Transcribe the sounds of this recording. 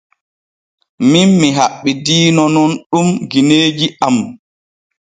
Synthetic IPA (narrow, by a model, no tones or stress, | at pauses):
minmiɦaɓːidiːnɔnɔnɗumɡineːd͡ʒiʔam